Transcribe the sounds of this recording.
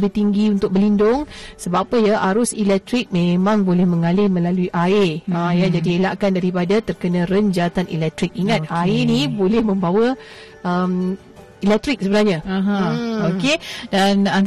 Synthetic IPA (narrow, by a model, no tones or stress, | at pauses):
bɪt̪iŋɡiunt̪ʊk̚bəlindʊŋsəbapəjaʔaɾʊsilɛk̚t̪ɾɪk̚mẽmãŋbolɛhmə̃ŋalɪhmə̃laluiʔaɪəjad͡ʒadielaʔkandaɾipadat̪ərkənãɾəɲd͡ʒat̪anʔḭlɛk̚t̪ɾɪk̚iŋãt̪̚aɪnibolɛhmə̃mbawə | ʔəm | ilɛk̚t̪ɾɪk̚səbənahɲaɦãokedanan